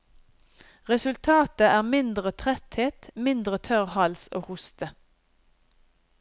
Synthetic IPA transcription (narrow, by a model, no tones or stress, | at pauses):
ʁɛsʉlt̪ʰɑːt̪əʔæːʁmɪnd̪ʁət̪ʰʁɛt̪heːt̪mɪnd̪ʁət̪ʰœʁhɑlso̰ːhʊst̪ə